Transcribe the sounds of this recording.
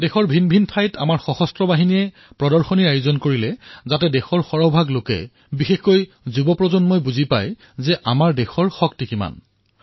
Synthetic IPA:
dɛxɔɹbʱinbʱintʰajta̰maɹxɔxɔstɹɔbaɦinijɛ | pɹɔdɔɹxɔniɹajʊzɔnkoɹilɛzatɛdɛxɔɹxɔɹɔbʱaɡlokɛ̰ | bixexkoj | zubɔpɹɔzɔnmojbuzipa̰j | zɛʔamaɹdɛxɔɹxɔktikima̰n

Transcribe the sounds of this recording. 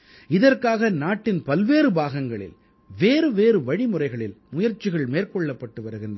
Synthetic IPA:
ɪðɐrkaːɣɐnaːʈːɪnpɐlʋeːɾɯbaːɣɐŋɡɐɭɪ̰l | ʋeːɾɯʋeːɾɯʋɐɽɪmɯrɐɪɣɐɭɪlmʊjɐɾt͡ʃːɪɣɐɭmeːrkɔɭːɐpːɐʈːɯʋɐɾɯɣɪndɐ

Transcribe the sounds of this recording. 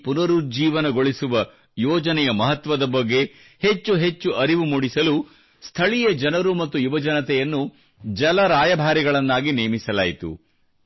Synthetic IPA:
punɐɾud͡ʒiːʋɐnɐɡo̞ɭisuʋɐ | jɔːd͡ʒɐnɛjɐmɐɦɐt̪ʋɐd̪ɐbɐɡːe̞ | het͡ʃːuɦet͡ʃːuʔɐɾiʋumuːɽisɐlu | st̪ʰɐɭijɐd͡ʒɐnɐɾumɐt̪ːujubɐd͡ʒɐnɐt̪ɛjɐnːu | d͡ʒɐlɐɾaːjɐbʱaːɾiɡɐɭɐnːaːɡineːmisɐlaːjt̪ṵ

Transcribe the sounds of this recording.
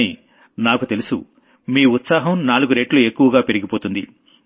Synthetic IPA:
i | naːkut̪e̞lusṵ | miːut̪saːɦɐmnaːluɡuɾeːʈluekːuʋɐɡaːpeɾiɡipo̞ːt̪und̪ḭ

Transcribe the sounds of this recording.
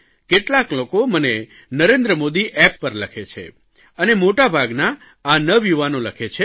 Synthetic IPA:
keʈlaklokoməne | nəɾend̪ɾəmod̪iʔɛpːəɾləkʰet͡ʃʰḛ | ənemoʈabʱaɡnaː | nəʋjuʋanoləkʰet͡ʃʰe

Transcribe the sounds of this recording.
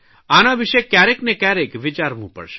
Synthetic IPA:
anaʋɪʃekjaɾeknekjaɾekʋɪt͡ʃaɾmṵ̃pə̰ɭʃe̥

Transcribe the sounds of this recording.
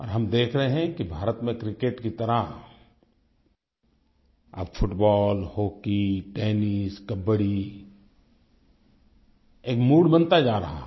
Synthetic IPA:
ɔ̰ːɾɦɐmd̪eːkʰɾəɦeɦɛ̃kibʱaːɾət̪mẽkɾɪkeːʈkit̪ɐɾa | ɐ̰bfʰʊʈbɔːlhoːkiʈeːniskɐbəɽi | eːkmuːɽbə̃nt̪ad͡ʒaːɾɐɦa̰

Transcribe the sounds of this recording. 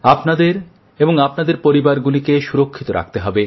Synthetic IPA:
apnad̪eɾ | eboŋapnad̪eɾpoɾibaɾɡulikeʃuɾokʰːit̪oɾa̰k̚t̪eɦɔbe

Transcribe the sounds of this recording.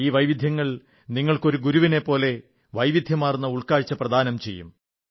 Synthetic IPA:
iːʋɐjʋid̪ʱjɐŋːɐɭ | niŋːɐɭko̞ɾuɡuɾuʋine̞pːo̞ːle̞ | ʋɐjʋid̪ʱjɐmaːrunːɐuɭkaːɻt͡ɕːɐprɐd̪ʱaːnɐmt͡ɕe̞jːṵm

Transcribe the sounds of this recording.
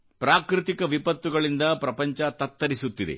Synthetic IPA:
pɾaːkɾit̪ikɐʋipɐt̪ːuɡɐɭind̪ɐpɾɐpɐɲt͡ʃɐt̪ɐt̪ːɐɾisut̪ːid̪ḛ

